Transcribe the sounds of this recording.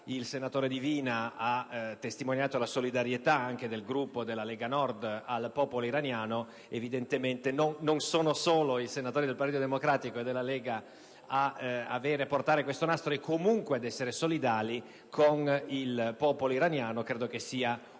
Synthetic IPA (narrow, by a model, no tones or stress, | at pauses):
ilsenat̪oːɾed̪iviːnaat̪ːest̪imonjaːt̪olasolid̪aɾjet̪aaŋk̟ed̪elɡɾupːod̪elːaleːɡanɔrd̪alpɔːpoloiɾanjaːno | evid̪ent̪ement̪enonːonsoːnosoːloisenat̪oːɾid̪elpaɾt̪iːt̪od̪emokɾaːt̪ikoed̪ːelːalɛːɡa | aa̰veːɾeport̪aːɾekwest̪onast̪ɾoekʰomuŋkwead̪ɛsːeɾesolid̪aːli | kʰonilpɔːpoloiɾanjaːnokɾeːd̪okesːiːa